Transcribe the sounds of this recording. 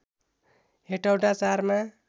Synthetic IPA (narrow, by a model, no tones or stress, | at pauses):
ɦeʈawɖat͡saɾma